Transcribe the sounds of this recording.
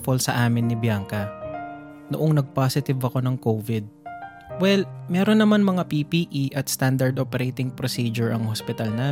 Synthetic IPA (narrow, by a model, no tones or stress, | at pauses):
polsɐʔaːmɪnːɪbjaːŋkɐ | nʊʔoŋnɐɡ̚pasɪt̪ɪvɐko̞nɐŋkovɪd̪̚ | wɛlmɛːɾonːɐmanmɐŋapipiʔiʔɐt̪st̪and̪ɐɹd̪oːpɛɾejt̪ɪŋpɾosiːd͡ʒʊɹʔɐŋhospɪt̪ɐlnaː